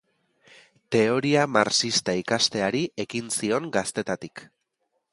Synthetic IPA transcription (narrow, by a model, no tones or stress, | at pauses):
t̪e̞o̞ɾiamaɾsist̪aikast̪e̞aɾiʔe̞kinsio̞ŋɡast̪e̞t̪at̪ik